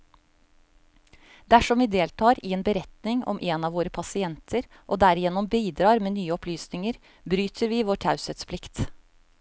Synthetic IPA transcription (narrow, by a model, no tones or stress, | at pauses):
d̪æʂɔmʋiːd̪eːlt̪ʰɑːɾiːeːnbəɾɛt̪nɪŋɔ̰mʔeːnɑːʋoːɾəpʰɑsɪɛnt̪ʰəɾ | ʔoːd̪æɾɪjɛnʊmbiːd̪ɾɑːɾmeːnyːəɔpʰlyːsnɪŋəɾ | bɾyːt̪ʰəɾʋiːʋoːʈʰɑʉsət̪spʰlɪkt̪